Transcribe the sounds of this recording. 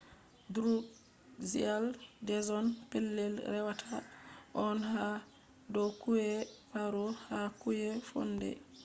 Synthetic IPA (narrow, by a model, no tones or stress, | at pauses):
duɾuk | zḭaldɛzɔnpɛlːɛlɾɛwatʰaʔɔnha | dɔkuɛpaɾɔhakujɛfɔ̰ndɛ̰